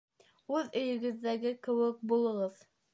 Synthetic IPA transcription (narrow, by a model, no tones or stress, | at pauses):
ʉðɵ̆jɵ̆ɡɘ̆ðːæɡɘkɘ̆wɘk̚bulˠɤ̆ʁɤð